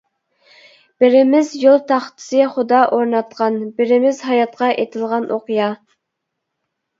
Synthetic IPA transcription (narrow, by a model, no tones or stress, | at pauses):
b̥ɪɾɪmɪzjolˠt̪ʰɑχt̪ʰɨ̥sɨχʊd̪ɑʔoɾnɑt̪̚qʰɑnbɪɾɪmɪzɦɑjɑt̪̚qɑʔet̪ʰɪlˠʁɑnʔoqjɑ